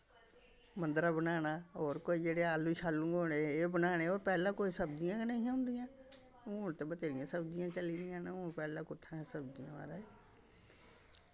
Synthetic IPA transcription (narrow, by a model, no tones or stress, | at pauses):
mənd̪ɾaːbənaːnaːɦoːɾkoːid͡ʒeːɽeːaːlũːt͡ʃʰaːlːũːɡoːɽeeːbənaːɽ̃eːoːɾpɛːlãːkoːiːsəbd͡ʒɪjãːkneiãːɦʊ̃nd̪ɪjãː | oːɳt̪eːbət̪eːɾɪjãːsəbd͡ʒɪjãːt͡ʃəliːd̪ɪjãːneʊːpɛːlãːkʊt̪ʰːãːsəbd͡ʒijã̰ːa̰ːɾaːeː